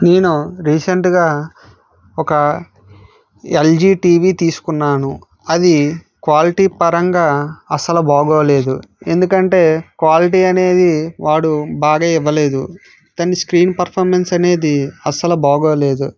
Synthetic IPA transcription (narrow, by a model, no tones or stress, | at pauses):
ne̞ːnuɾiːseɳʈɡaː | ɔkɐ | eld͡ʒiːʈiːʋiːt̪iːsu̥kunːaːnu | ɐd̪i | kʋaːliʈiːpɐɾɐŋɡaːɐsɐlɐbaːɡoːle̞ːd̪ue̞nd̪ukɐɳʈe̞ːkʋaːliʈ̬iːɐne̞ːd̪iʋaːɽubaːɡaːiʋːɐle̞ːd̪u | t̪ɐnːiskɾiːnpɐɾpʰɐɾmensɐne̞ːd̪iɐsɐlɐbaːɡoːle̞ːd̪u